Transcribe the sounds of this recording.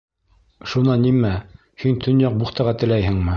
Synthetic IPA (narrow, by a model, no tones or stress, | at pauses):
ʃunɑnːimæ | hint̪ʰɵ̆njɑq̚buχt̪ɑʁɑt̪ɘ̆læjhɘ̆ŋmɘ